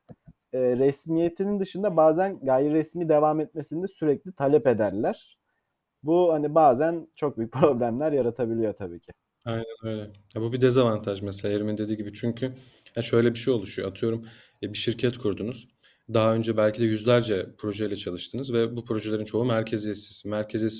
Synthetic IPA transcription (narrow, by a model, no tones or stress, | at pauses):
ɛːɾɛsmijet̪ʰinind̪ɯʃɯnd̪abaːzænɡajiɾɛsmiːd̪e̞vaːmɛt̪̚mesind̪ɛsyɾɛclʲit̪ʰalʲɛpe̞d̪æɾlʲæɾ̥ | buhanibaːzænt͡ʃʰo̞k̚byjyc̚ʲpʰɾo̞blʲæmlʲæɾjaɾat̪ʰabilʲijot̪ʰabḭːcʰɪ | ajnænøjlʲɛ | jabubid̪ɛzavant̪ʰaʒmɛs̬elʲaeɾmind̪e̞d̪iːɟibit͡ʃʰyɲcʰy | haʃø̞jlʲɛbiʃejo̞lˠuʃujoat̪ʰɯjo̞ɾumː | biʃiɾcʰɛt̪kʰuɾd̪unuz̥ | d̪aɦaø̞nd͡ʒɛbælʲcʰid̪ɛjyzlʲæɾd͡ʒɛpʰɾo̞ʒɛjlʲɛt͡ʃʰalˠɯʃt̪ʰɯnɯzvɛbupʰɾo̞ʒee̞ɾint͡ʃʰo̞umæɾcʰezijɛsi̥z̥mæɾcʰezɛs